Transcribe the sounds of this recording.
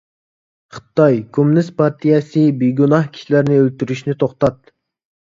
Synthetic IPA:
χɨ̥t̪ːɑjkʲʰumnɪspʰɑɾt̪ʰijɛsɨbijɡunɑhkʲʰi̥ʃilæɾnɪølt̪yɾyʃnɪt̪ʰoχt̪ɑt̪̚

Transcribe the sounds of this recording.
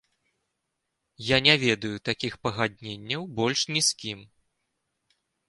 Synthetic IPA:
janʲɛvʲɛd̪ɐjut̪akʲixpɐɣad̪̚ʲnʲenʲːɐwbɔlʲʂnʲiskʲim

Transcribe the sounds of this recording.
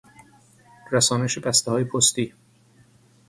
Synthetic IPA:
ɾæsɒːneʃebæst̪ehɒːjepʰost̪iː

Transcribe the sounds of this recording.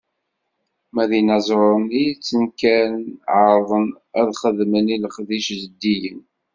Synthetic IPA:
mæðinɑzˤɾˤənijt͡sːənkænʕəɾˤðˤən | æðχəðməniləχðiʃzəd̪ːijən

